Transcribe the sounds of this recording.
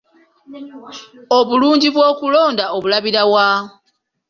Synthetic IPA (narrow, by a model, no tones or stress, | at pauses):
oβuluːɲɟiβwo̞ːkulo̞ːndaoβulaβiɾawa